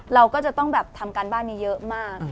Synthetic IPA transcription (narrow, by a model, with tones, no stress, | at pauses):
ɾa˧wkɔː˥˩t͡ɕa˨˩t̪ɔ˥˩ŋbɛː˨˩p̚t̪ʰa˧mkaː˧nbaː˥˩nːiː˦˥jɤ˦˥ʔmaː˥˩k̚